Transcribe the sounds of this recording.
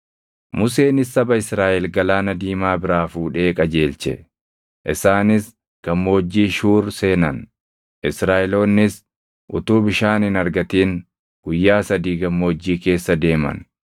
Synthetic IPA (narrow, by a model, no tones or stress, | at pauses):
mʊse̞ːnɪsːɐbɐɪsɾaːʔɛlɡɐlaːnɐd̪iːmaːbɪɾaːfuːᶑe̞ːkʼɐd͡ʒe̞ːlt͡ʃɛ̰ | ʔɪsaːnɪs | ɡ̥ɐmːo̞ːd͡ʒːiːʃuːɾseːnɐn | ʔɪsɾaːʔɛlo̞ːnːɪs | ʔʊt̪uːbɪʃaːnɪnɐɾɡɐt̪iːŋ | ɡ̥ʊjːaːsɐd̪iːɡɐmːo̞ːd͡ʒːiːke̞ːsːɐd̪e̞ːmɐ̰n